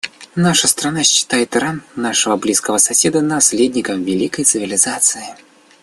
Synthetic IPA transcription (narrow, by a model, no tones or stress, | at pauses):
naʂəst̪ɾɐnaɕːɪ̥t̪ajɪt̪ɾannaʂəvəblʲiskəvəsɐsʲe̞d̪ənɐsʲlʲedʲnʲɪkəfvʲɪlʲikəjt̪sɨvʲɪlʲɪzat̪sɨjɪ